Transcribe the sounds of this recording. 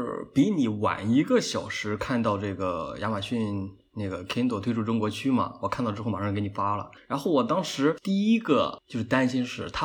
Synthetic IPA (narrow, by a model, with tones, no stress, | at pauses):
pi˧˥ni˨˩wa̰˨˩ni˧˥ɡə˧ɕjɑ˨˩ʊʂɻ̩˧˥kʰa˥˧nt̪ɑ˥˧ʊʈ͡ʂɤ˥˩ɡə˩ja̰˧˥ma˨˩ɕy˥˧n | ne˥˩ɡə˩kʰɛ˥nt̪o˥˩t̪ʰwe˥ɪu˥˩ʈ͡ʂʊ˥ŋkwɔ˧˥t͡ɕʰy˥mɐ̰˩wɔ˨˩kʰa˥˩˧t̪ɑ˥˧ʈ͡ʂɻma˨˩˥kɪ˥n˨˩fa˥lə̰˨ɻa˧˥nxo˥˩ʊwɔ˨˩t̪ɑ˥ŋʂɻ̩˧˥t̪i˥˩i˥ɡə˧t͡ɕjo˥˧ʊʂɻ̩˥˩t̪a˥nɕi˥nʂɻ̩˥˩t̪ʰa˥